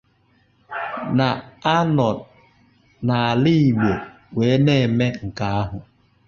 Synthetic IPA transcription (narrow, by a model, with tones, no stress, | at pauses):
na˨a˦nɔ˨ | na˨a˨li˦i˨ɡ͡be˨ | we˨˦ne˦˨me˦ŋ̩˨ka˨a˦ɦʊ˨